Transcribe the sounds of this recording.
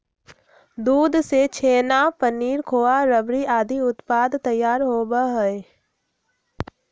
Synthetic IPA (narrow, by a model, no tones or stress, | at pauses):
d̪uːd̪set͡ʃʰeːnapəniːɾkʰoːaɾəbɾiʔaːd̪ʱiʊt̪paːd̪t̪ɐjːaːɾɦoːbaɦəe